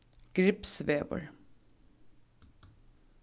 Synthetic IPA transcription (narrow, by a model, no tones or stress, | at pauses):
ɡ̥ɾɪpsʋeːʋə̰ɹ